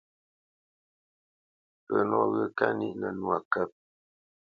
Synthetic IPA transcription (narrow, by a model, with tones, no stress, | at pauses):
pə˨nɔ˦˨ɣə˦ka˦ni˦ʔnə˨nu˨a˨kə˦˨p̚